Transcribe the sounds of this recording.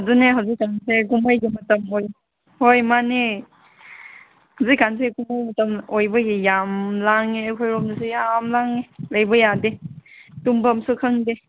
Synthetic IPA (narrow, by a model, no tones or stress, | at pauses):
duneɦawzikːansʰeɡumajɡimɐtɐmoj | hojmane | hawzikːanseɡumajmɐtɐmojbɐɡijamlaŋeekʰojɾɔmnasejamlaŋeləjbɐjadetumbɐmsukʰəŋde